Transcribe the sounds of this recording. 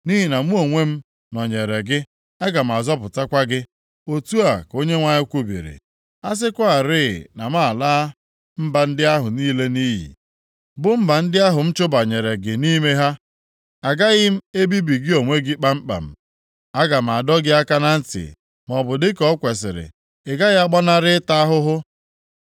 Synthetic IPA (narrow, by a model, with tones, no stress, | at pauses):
ni˦ɦi˨na˨m˦o˨ŋʷe˦m̩˦ | nɔ˨ɲe˨ɾe˨ɡɪ˦ | a˦ɡa˨m̩˨a˨zɔ˦p̬ʊ˨ta˦kʷa˦ɡɪ˦ | o˨tu˦a˨ko˦ɲe˦ŋʷa˦ɲɪ˦kʷu˦bḭ˨ɾḭ˨ | a˦s̬ɪ˦kʷa˦a˨ɾɪ˦˨na˨m˦a˦˨laː˦ | m̩˦ba˨n̩˦dɪ˦a˦ɦʊ˨niː˦le˦niː˦ɦḭ˨ | bʊ˦m̩˦ba˨n̩˦dɪ˦a˦ɦʊ˨m̩˦t͡ʃʊ˦ba˨ɲe˨ɾe˨ɡɪ˨ni˦me˦ɦa˦ | a˨ɡa˦ɣɪ˦m̩˦e˦bi˦bi˨ɡɪ˦o˨ŋʷe˦ɡɪ˦k͡pa˦m̩˦k͡pa̰˨m̩˨ | a˦ɡa˨m̩˨a˨dɔ˦ɡɪ˦a˦ka˦na˦n̩˦tɪ̰˨ | mɔ˨bʊ˨dɪ˦kɔ˦kʷe˨s̬ɪ̰˨ɾɪ̰˨ | ɪ˨ɡa˦ɣa˦ɡ͡ba˦na˦ɾɪ˦ta˦ɦʊ˦ɦʊ˦